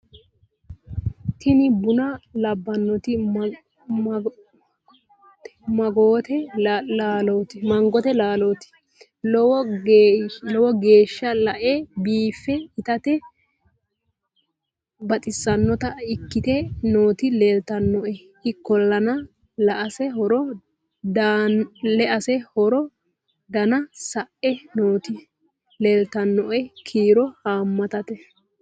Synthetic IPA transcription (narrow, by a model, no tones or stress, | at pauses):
t̪ʰɪnɪbʊnɐlɐbːɐnːɔt̪ɪ | mɐɡoːt̪ɛlaːloːt̪ɪmɐŋɡɔt̪ɛlaːloːt̪ɪ̥ | lɔwɔ | lɔwɔɡe̞ːʃːɐlɐʔɛbiːfːɛɪt̪ɐt̪ɛ | bɐt̪ʼɪsːɐnːɔt̪ɐɪkːɪt̪ɛnoːt̪ɪleːlt̪ɐnːɔʔɛ | ɪkːɔlːɐnɐ | lɐʔɐsɛɦɔɾɔ | dalɛʔɐsɛhɔɾɔ | d̪ɐnɐsɐʔɛnoːt̪ɪ | leːlt̪ɐnːɔʔɛkʰiːɾɔhaːmːɐt̪ɐt̪ɛ